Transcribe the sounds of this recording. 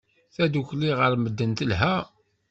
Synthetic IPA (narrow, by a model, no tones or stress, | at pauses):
θæd̪uçliʁəɾməd̪ːənt̪əlɦæ